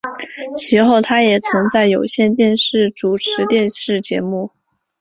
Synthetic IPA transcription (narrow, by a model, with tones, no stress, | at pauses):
t͡ɕʰi˧˥xo˥˩ʊt̪ʰa˥jɛ˨˩t͡sʰɤ˧˥ŋt͡sa˥˩ɪjo˨˩ʊɕjɛ˥˧nt̪jɛ˥˧nʂɻ̩˥˩ʈ͡ʂu˨˩ʈ͡ʂʰɻ̩˧˥t̪jɛ˥˧nʂɻ̩˥˩t͡ɕjɛ˧˥mu˥˩